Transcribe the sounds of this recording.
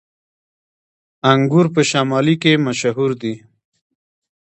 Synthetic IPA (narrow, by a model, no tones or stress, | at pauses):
aŋɡuɾpəʃamɑlikemaʃaɦuɾd̪i